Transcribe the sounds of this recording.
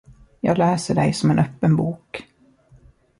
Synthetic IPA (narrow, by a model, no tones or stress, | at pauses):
jɑ̰ːɡlɛːsəɖɛjsɔmɛnʔœpːənbuːk